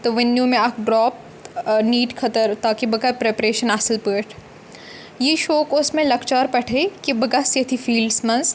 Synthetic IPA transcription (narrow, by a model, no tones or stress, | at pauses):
t̪oʋɪnːjũmẽaːkɖɾɔːp̚ | niːʈkʰɐt̪əɾt̪aːkibɐɡapɾeːpɾeːʃənaːsɪlpəːʈʰ | jeʃoːkʊsmẽlɐkt͡ʃaːɾpɐʈʰeːkibɐɡasjɐt̪ʰifiːlɖsmɐ̃ns